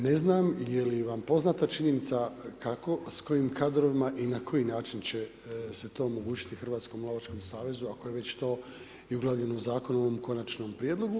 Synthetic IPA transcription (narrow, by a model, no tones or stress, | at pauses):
ne̞znaːmijeliʋampo̞znat̪at͡ʃiɲe̞nit̪sakako̞sko̞jimkʰaːd̪ɾo̞ʋimaʔinakʰo̞jinaːt͡ʃint͡ɕe̞ | se̞t̪o̞ːomo̞ɡuːt͡ɕi̥t̪ixr̩ʋaːt̪sko̞muloʋat͡ʃko̞msaːʋe̞zuako̞jeʋe̞t͡ɕt̪o̞ː | iuɡlˠaːʋʎe̞nouzaːko̞nooʋomko̞nat͡ʃno̞ːmpɾjed̪lˠo̞ɡu